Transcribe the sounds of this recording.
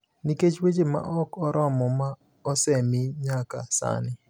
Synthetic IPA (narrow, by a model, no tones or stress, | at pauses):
niket͡ʃwet͡ʃema̰ʔɔkɔɾʔɔmɔma | ɔsɛmiɲaka̰sa̰nɪ